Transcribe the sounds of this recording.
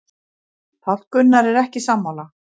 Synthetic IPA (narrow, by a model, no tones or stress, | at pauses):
θḁkʏnːaɾɛɾɛhcɪsaːmːala